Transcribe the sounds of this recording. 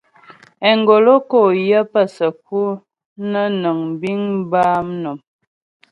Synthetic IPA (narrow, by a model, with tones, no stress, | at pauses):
ɛ˨ŋɡo˨lo˦ko˦˨jə˦pə˦˨sə˨k̚u˦ | nə˦nə˨ŋbi˦ŋbaː˦mnə˨m